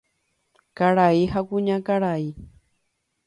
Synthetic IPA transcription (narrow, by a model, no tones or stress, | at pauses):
kaɽaiɦakuɲakaɽai